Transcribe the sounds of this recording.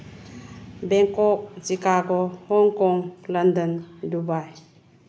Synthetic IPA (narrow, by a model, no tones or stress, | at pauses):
beŋkɔk̚zikaɡɔhɔŋkɔŋləndəndubaj